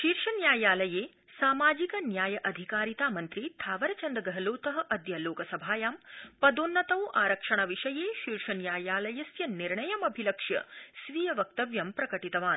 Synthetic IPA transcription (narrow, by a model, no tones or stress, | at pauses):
ʃiːɾʂɐnjaːjaːlɐjeː | saːmaːd͡ʒikɐnjaːjɐʔɐd̪ʱikaːɾit̪aːmɐnt̪ɾiːt̪ʰaːʋɐɾɐt͡ʃɐnd̪ɐɡɐɦɐloːt̪ɐɦɐ̆ʔɐd̪jɐloːkɐsɐbʱaːjaːmpɐd̪oːnːɐt̪ɐwʔaːɾɐkʂɐɳɐʋiʂɐjeːʃiːɾʂɐnjaːjaːlɐjɐsjɐniɾɳɐjɐmɐbʱilɐkʂjɐ̰sʋiːjɐʋɐk̚t̪ɐʋjɐmpɾɐkɐʈit̪ɐʋaːn